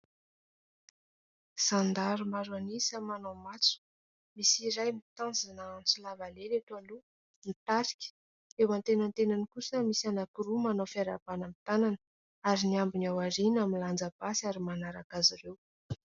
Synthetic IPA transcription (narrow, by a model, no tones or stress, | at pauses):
z̥and̪aɾumaɾwanisəmanawmat͡su̥ | misiɾajmit̪ãnzanansulavalelet̪alu | nit̪aɾi̥kʲə̥ | ewant̪enant̪enanikusəmisanakiɾumanawfiaɾab̥anamit̪anan | aɾiniambinawaɾinaminland͡zəb̥asaɾimanaɾakazirew